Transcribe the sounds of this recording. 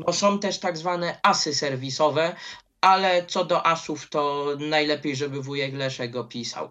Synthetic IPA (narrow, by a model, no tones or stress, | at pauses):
bɔsɔ̃w̃t̪ɛʂt̪aɡzvanɛasɘsɛɾvʲisɔvɛ | alɛt̪sɔd̪ɔʔasuft̪ɔnajlɛpʲjejʐɛbɘvujɛɡlɛʂɛɡɔpʲisa̰w